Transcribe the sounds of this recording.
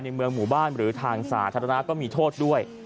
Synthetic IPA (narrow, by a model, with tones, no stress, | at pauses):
jna˧jmɯ˧əŋmuː˨˩baː˥˩nɾɯː˩˦t̪ʰaː˧ŋsa̰ː˩t̪ʰa˧ɾa˧na˦˥kɔː˥˩miː˧t̪ʰoː˥˩t̪̚du˥˩əj